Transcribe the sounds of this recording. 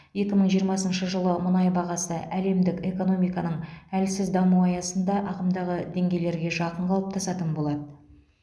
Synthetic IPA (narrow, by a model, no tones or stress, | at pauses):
je̞kʲɪməɴʒijəɾmɑsənʃəʒəlˠəmʊnɑjbɑʁɑsəʔæle̞md̪ɪkʲe̞ko̞no̞mijkɑnəɴælsɪzd̪ɑmuɑjɑsənd̪ɑʔɑʁəmd̪ɑʁəd̪e̞ŋɡʲe̞jle̞ɾɡʲe̞ʒɑqəɴqʰɑlˠəp̚t̪ʰɑsɑt̪ənbo̞lˠɑd̪ə